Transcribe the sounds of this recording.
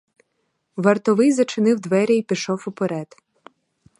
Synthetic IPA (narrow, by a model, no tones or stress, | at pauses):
ʋɐrt̪ɔʋɪjzɐt͡ʃɪnɪwd̪ʋɛɾʲɛjpʲiʃɔwʊpeɾɛd̪̥